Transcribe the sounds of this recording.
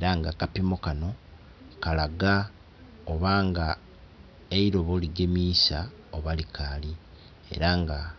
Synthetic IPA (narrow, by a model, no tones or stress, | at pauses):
eɾaŋɡakapimokano̞ | kalaɡa | oβaːŋɡa | eiɾo̞βo̞liɡe̞miːsa | oβalikʰali | e̞̰ɾaŋɡa